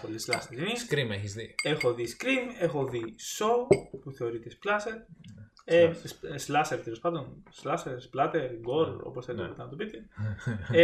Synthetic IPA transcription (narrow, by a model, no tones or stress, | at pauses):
polislɐ̰st̪eɾiniskɾimeçizðiexo̞ðiskɾime̞xo̞ðiso̞upuθe̞oɾit̪esplɐseɾ | esslɐseɾt̪elo̞spɐnd̪o̞nslɐseɾsplɐt̪eɾɡo̞ɾo̰po̞sθelinɐpit̪ɐnɐt̪opit̪e